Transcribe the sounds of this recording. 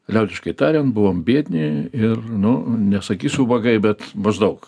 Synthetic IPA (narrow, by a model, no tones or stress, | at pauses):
lʲɛʊd̪ʲɪʃkɐɪt̪ɑːɾʲɛnt̪bʊʋoːmbʲiɛt̪ʲnʲɪɪrnʊnʲɛsɐkʲiːsʲʊʋɐɡɐɪbʲɛt̪mɐʒd̪ɐʊk